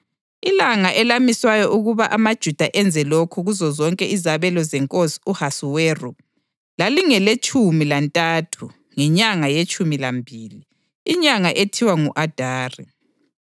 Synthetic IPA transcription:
ilaŋaʔɛlamiswajɔʔuɣuβaʔamad̥ʒ̥ʱud̥ʱaʔɛnd͡zʱɛlɔkʰɔɣuzɔzɔŋkʼɛizaβɛlɔzɛŋkʼosi̥uhasuwɛːrɔ | laliŋɛlet͡ʃʼumilantʼatʰu | ŋɛɲaŋajet͡ʃʼumilambʱiːliː | ɲaŋaʔetʰiwaŋuʔad̥ʱaːri

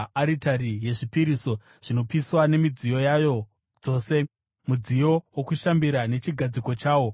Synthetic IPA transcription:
aɾitaɾije̞ʐipiɾiːso̞ | ʐ̥ino̞piswane̞mid͡zijo̞jajo̞ | d͡zo̞ːse̞ | mud͡zijo̞wokuʃambiɾane̞t͡ʃiɡʱad͡ziko̞t͡ʃaːwo̞

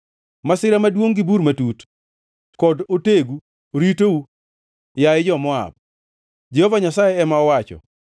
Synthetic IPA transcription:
masɪɾamadwoŋɡibuɾmatut | kɔdoteɡu | oɾitou | jaɪd͡ʒɔmɔa̰p̚ | d͡ʒehovaɲasajɛɛmaɔwat͡ʃɔ̰

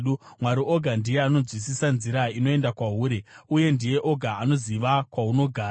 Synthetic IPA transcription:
umwaɾiʔo̞ɡʱandijeano̞d͡zwis̬isanziɾaino̞e̞ndakwaɦuːɾeuje̞ndije̞ʔo̞ɡʱaːno̞ziʋakwauno̞ɡʱaː

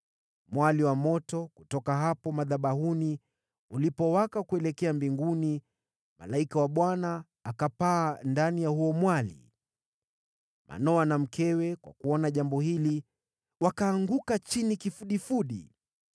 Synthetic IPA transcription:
mwaliwamɔtɔkutɔkaɦapɔmaðaɓahuni | ulipɔwakakuɛlɛkɛambiŋɡuni | ma̰laikawaɓwanaː | kapaːndanijahuɔmwalḭ | mʔa̰nɔwanam̩kɛwɛkwa̰kuɔnaʄambɔhili | wakaːŋɡukat͡ʃinikifuɗifuɗi

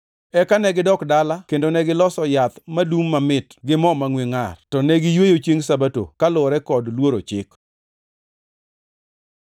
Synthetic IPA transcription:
ɛkanɛɡɪdɔkdalakendonɛɡɪlɔsɔjat̪madumːamɪtɡɪmɔmaŋweŋartɔnɛɡɪjwejot͡ʃjeŋsabato̰kalʊɾɛkɔdlwoɾot͡ʃɪ̰k

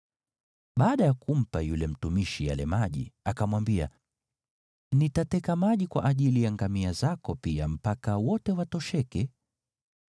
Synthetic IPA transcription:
ɓaːɗajakum̩pajulɛm̩tumiʃija̰lɛ̰maʄḭakamwambia̰ | nitatɛkamaʄikwa̰ʔaʄilijaŋɡamiazakɔpiam̩pakawɔtɛwatɔʃɛkɛ

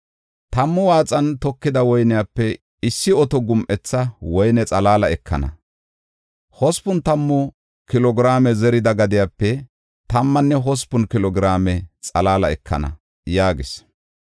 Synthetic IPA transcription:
t̪ɐmːʊwaːt͡sʼɐnt̪ɔkːɪd̪ɐwɔjnɪjapːɛ | ɪsːɪɔt̪ɔɡʊmʔɛt͡sːɐwɔjnɛt͡sʼɐlaːlɐɛkʰːɐ̰nɐ̰ | hɔspʊnt̪ɐmːʊ | kɪlɔɡɪɾaːmɛzɛɾɪd̪ɐɡɐd̪ɪjapːɛ | t̪ɐmːɐnːɛɦɔspːʊnkɪlɔɡɪɾaːmɛt͡sʼɐlaːlɐɛkʰːɐ̰nɐ̰ | jaːɡɪs

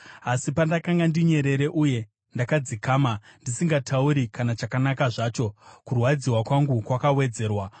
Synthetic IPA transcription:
asipandakaŋɡandiɲe̞ɾe̞ɾe̞ʔuje̞ | ndakad͡zikaːmandisiŋɡatʰauɾikanat͡ʃakanakaʐaːt͡ʃo̞kurwad͡ziwakwaŋɡukwakawe̞d͡ze̞ːrwa

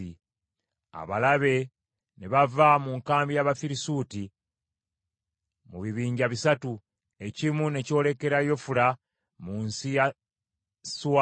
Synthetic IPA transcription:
i | a̰βalaβe̞ | neβavamuŋkaːmbijaβafiɾisuːti | muβiβiːɲɟaβisatu | e̞cimune̞co̞ːle̞ke̞ɾajo̞fula | munsija | swa

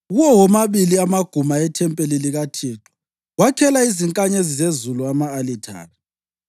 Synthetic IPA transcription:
ɣuwɔwɔmaβiliamaɡ̥ʱumaɛtʰɛmpʼeliliɣatʰiːǁɔ̥ | wakʰɛlaiziŋkʼaɲezizezuluamaːlitʰa̰ːna

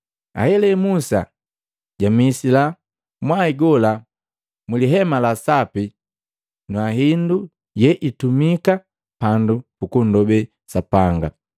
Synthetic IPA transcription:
a̰hɛlɛmusa̰ | ɟamisila | mwaiɡɔla | muliɦɛmalasapi | nwaɦindu | jɛʔitumika | pandupukun̩dɔbɛ | sapaŋɡa̰

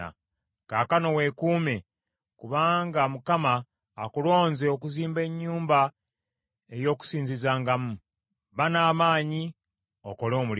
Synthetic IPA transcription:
a̰ | kakano̞we̞kuːme̞ | kuβaːŋɡamukamaː | kulo̞ːnzeokuziːmbe̞ɲːuːmba | ejo̞ːku̥siːɲzizaːŋɡamu | βanaːmaːɲi | oko̞lo̞ːmul

